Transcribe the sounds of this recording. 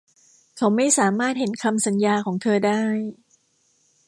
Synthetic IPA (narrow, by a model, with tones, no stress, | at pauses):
kʰa˦˥wma˥˩jsaː˩˦maː˥˩t̪̚he˩˦nkʰa˧msa˨˩˦njaː˧kʰɔː˩˦ŋt̪ʰɤː˧daː˥˩j